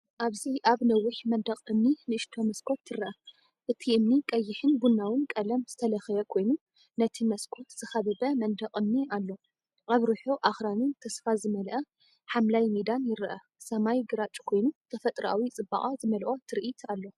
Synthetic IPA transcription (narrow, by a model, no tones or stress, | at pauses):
ʔaβziʔaβnɐwːʊħmɐnd̪ɐqʼɨmninɨɨʃt̪ʰo̞mɐskʰo̞t̪ʰːɨɾɐʔɐ | ʔɨt̪ʰiʔɨmnikʼɐjːɪħɨnbunːawɨnkʼɐlɐmz̥ɨt̪ʰɐlɐxɐjɐkʰo̞jnu | nɐt̪ʰimɐskʰo̞t̪z̥ɨxɐβɨbɐmɐnd̪ɐqʼɨmnialːo̞ | ʔaβɾuħoʔaxɾanɨnt̪ʰɐsfazɨmɐlʔɐ | ħamlajmid̪anjɪɾʔɐ | sɐmajɡɨɾat͡ʃʼkʰo̞jnut̪ʰɐfɐt̪ʼɾa̰wit͡sʼɨbːa̰ʔʼazɨmɐlʔo̞t̪ʰɨɾʔit̪ʰalːo̞